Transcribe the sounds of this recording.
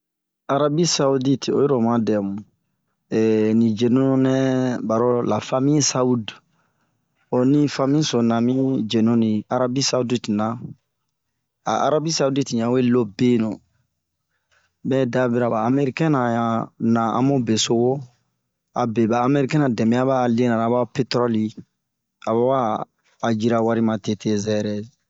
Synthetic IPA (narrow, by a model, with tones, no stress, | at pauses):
a˨ɾa˦bi˦sa˦u˦di˦to˦jɔ˦ɾɔ˨mã˦dɛ˨mũ˨ | nĩ˨d͡ʒe˨nu˦n˦nɛ˦ba˨ɾo˦la˨fa˦mĩ˦sa˦u˦d | o˨ni˦fa˦mĩ˦so˨nã˨mĩ˦d͡ʒe˨nõ˦ni˨a˦ɾa˦bi˦sa˦u˦di˦ti˨na˨ | a̰˨a̰˦ɾa˦bi˦sa˦u˦di˦tĩ˨jã˨o˦e˦lo˦bẽ˦nõ˨ | bɛ˦da˦bi˦ɾa˨baː˨˦me˦ɾi˦kɛ̃˦na˨a˨nã˨ã̰˦mo˦be˨so˨ɡo˦ | a̰˨bɛ˨baː˨˦me˦ɾi˦kɛ̃˦na˨dɛ˨mɛ˨ja˦ba˦˨lẽ˦na˨na˨ba˦pe˦tɾɔ˦li˦ | a˨ba˦waː˦˨ | d͡ʒi˦ɾa˦wa˦ɾi˦mã˨te˦tʰe˦zɛ˦ɾɛ˦z